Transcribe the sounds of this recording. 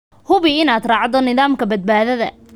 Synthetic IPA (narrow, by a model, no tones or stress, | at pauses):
hʊβɪɪnaːd̪rɑːʕd̪ɔnɪðaːmkʰɐbɐd̪̚baːðɐðɐ